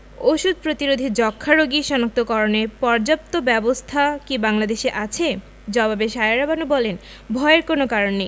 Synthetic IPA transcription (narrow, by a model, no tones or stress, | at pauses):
oʃud̪̚ʱpɾot̪iɾod̪ʱid͡ʑɔkʰːaɾoɡiʃɔnak̚t̪okɔɾonepɔɾd͡ʑap̚t̪obɛbost̪ʰakibaŋlad̪eʃeʔat͡ɕʰe | d͡ʑɔbabeʃaeaɾabanubɔlen | bʱɔeeɾkonokaɾonːej